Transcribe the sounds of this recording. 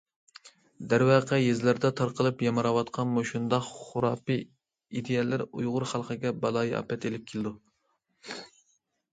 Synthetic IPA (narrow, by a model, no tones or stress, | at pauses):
d̪æɾwɑːqʰɛjezlɪɾd̪ɛt̪ʰɑɾqəlˠɨpjɑmɨɾɑwɑt̪qʰɑnmuʃund̪ɑχχʊɾɑːpɨ | id̪ejɛlːɪɾujʁʊɾχælˠqʰəɡʲɛbɑlˠɑːjʔɑ̰pɛt̪elɪp̚kʲʰelɪd̪u